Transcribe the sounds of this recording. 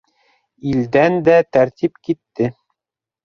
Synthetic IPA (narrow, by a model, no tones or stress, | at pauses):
ild̪ænd̪æt̪æɾt̪ipkit̪ːɘ